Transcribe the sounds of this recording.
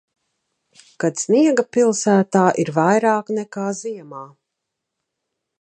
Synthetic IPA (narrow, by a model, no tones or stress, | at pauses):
kad̪sniɛɡapilˠsæːt̪aːʔiɾvajɾaːknɛkaːziɛmaː